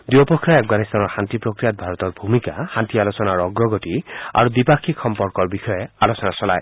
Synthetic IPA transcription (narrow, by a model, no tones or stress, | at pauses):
d̪iɔpɔkʰɾiaafɡanist̪anɔɹhant̪ipɹokɹijat̪̚bʱaɹɔt̪ɔɹbʱumikahant̪ialɔsɔnaɹɔɡɹɔɡɔtia̰ɹud̪ipakʰikxɔmpɔɹkɔɹbixɔjealɔsɔnasɔla̰j